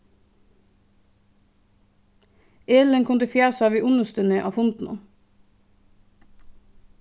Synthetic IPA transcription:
eːləŋkʰʊnd̪əfjæːsɑːʋiːʔʊnəst̪ʉnəʔɑ̰ːfʊnt̪n̩ɑ̰

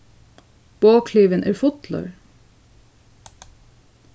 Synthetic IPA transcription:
b̥oːkʰliːʋənʔæːɹfʊt̪lɑ̰ɹ

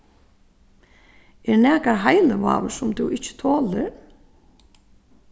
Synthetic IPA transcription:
ɛɹnɛːkaɹɦajləʋa̰ːʋəsʊmt̪ʰuwɪt͡ʃːɪ̥t̪ʰoːlɪɾ

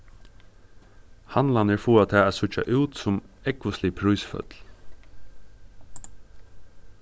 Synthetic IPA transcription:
hanlanɪɹfuːat̪ʰɛːsʊt͡ʃa̰ʔʉːt̪sʊm | ɛkʋəslɪpʰɾʊjsfœ̰t̪l

